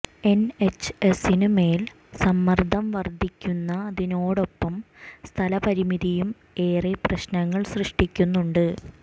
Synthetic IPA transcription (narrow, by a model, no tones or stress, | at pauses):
e̞net͡ɕːɨesinumeːl | sɐmːɐrd̪ʱɐmʋɐrd̪ʱikʲːunːɐːðino̞ːɽo̞pːɐmst̪ʰɐlɐpɐɾimiðijum | e̞ːreprɐɕnɐŋːɐɭsrɨʂʈikʲːunːuɳɖɨ